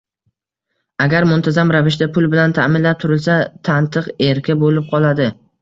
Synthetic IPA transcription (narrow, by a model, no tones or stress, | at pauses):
aɡʲaɾmʊnt̪ʰazamɾavɪʃd̪apʰʊlˠbɪlant̪ʰamɪnlap̚t̪ʰʊɾɪlsat̪ʰant̪ʰɨqeɾkʲɪbolɪp̚qʰɒlˠad̪ɪ